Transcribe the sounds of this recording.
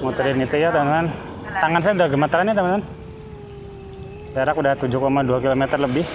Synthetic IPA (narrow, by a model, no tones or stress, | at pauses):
mot̪ɾinit̪ujat̪amanman | t̪aŋans̬ɛudahɡəmat̪əɾanjat̪əmanman | daɾakudaht̪ud͡ʒʊkomaduakilomɛt̪ərləbɪh